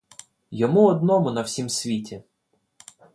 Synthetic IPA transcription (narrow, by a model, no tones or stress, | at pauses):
jɔmuɔd̪nɔmʊnɐw̥sʲimsʲʋʲitʲi